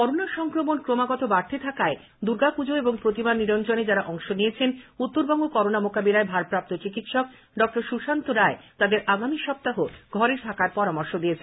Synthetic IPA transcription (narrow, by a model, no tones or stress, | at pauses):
kɔɾonaʃɔŋkɾomonkɾomaɡɔt̪obaɾt̪ʰet̪ʰakae | d̪uɾɡakud͡ʑoeboŋpɾot̪ibanːiɾont͡ɕoned͡ʑaɾaʔɔŋʃonijet͡ɕʰenut̪ːoɾbɔŋɡokɔɾonamokabilaebʱaɾpɾap̚t̪ot͡ɕikit̪ʃɔk̚ | ɖɔk̚ʈoɾʃuʃant̪oɾaet̪ad̪eɾʔaɡamiʃɔp̚t̪aɦoɡʱɔɾeʈ̪ʰakaɾpɔɾamoɾʃod̪ijet͡ɕʰa